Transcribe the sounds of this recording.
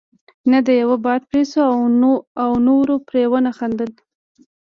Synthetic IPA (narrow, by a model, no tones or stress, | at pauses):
nad̪əjawabɑd̪̚pɾesoaawnoɾopɾewənaxand̪əl